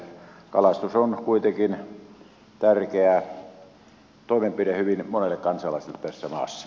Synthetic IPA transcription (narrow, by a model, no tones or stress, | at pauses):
kɑlɑst̪usonkuit̪ekin | t̪ærkeæ | t̪oˑimempidehyʋinmonelːˑekkɑnsɑlɑˑiselːet̪æsːæmɑ̰ːsːɑ̥